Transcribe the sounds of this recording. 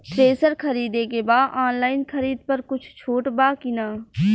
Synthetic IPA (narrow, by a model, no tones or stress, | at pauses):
ʈɾeːsəɾkʰəɾiːd̪ekebaːd̪ʔaːnlaːɪnkʰəɾiːd̪̚pəɾkʊt͡ʃʰt͡ʃʰoːʈbaːkinaː